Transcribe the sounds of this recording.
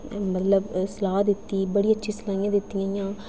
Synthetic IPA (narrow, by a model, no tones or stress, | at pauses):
mət̪ləbsəlaːɦd̪ɪt̪ːiːbəɽiːətːʃʰiːsəlaːijãːd̪ɪt̪ːijãːjãː